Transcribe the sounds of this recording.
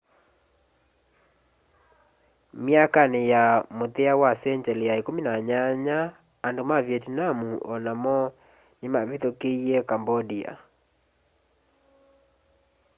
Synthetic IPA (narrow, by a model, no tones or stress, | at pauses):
mjakanejamoteawasɛɲd͡ʒɛlijaekominaɲaɲaː | ndomavjetnamuʔɔnamɔ | nemaβitokeiɛkambɔdia̰